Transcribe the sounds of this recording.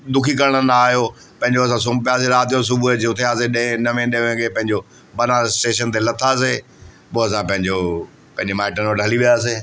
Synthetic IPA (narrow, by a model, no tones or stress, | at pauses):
d̪ʊkʰikɐɾəɽ̃ənaːɦijo | pɐ̃ɪɲ̆d͡ʑoɐs̬ãs̬ʊ̃mbpjaːseɾaːt̪ijos̬ʊbud͡ʑeʊt̪ʰeaːseɗẽnɐʋẽɗẽʋẽkʰepɐ̃ɦɪ̃ɲd͡ʑo | bɐnasʈeːʃənt̪elɐt̪ʰaːs̬e | poːɐs̬ãpɐ̃ɦɪ̃ɲd͡ʑo | pɐ̃ɦɪ̃ɲd͡ʑemaːɪʈənoɖʱɐliʋijaːs̬eː